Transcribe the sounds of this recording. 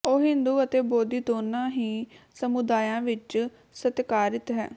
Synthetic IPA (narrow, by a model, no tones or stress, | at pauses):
oːɦɪ̃nd̪uːət̪eːboːd̪iːt̪oːnãːɦiːsəmʊd̪aːjãːʋɪt͡ʃ | sət̪kaːɾɪt̪ɦɛ̰ː